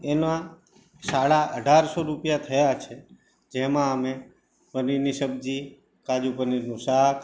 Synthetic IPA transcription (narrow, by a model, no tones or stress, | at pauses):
enã | saɭaʔəɖʱaɾsoɾupjat̪ʰəjat͡ʃʰe | d͡ʒemãəme | pəniɾniʃəbd͡ʒi | kad͡ʒupəniɾnũsak